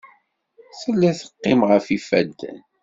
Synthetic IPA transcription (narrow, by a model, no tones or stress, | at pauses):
θəlːæθə̥qːɪmʁəfifæd̪ːn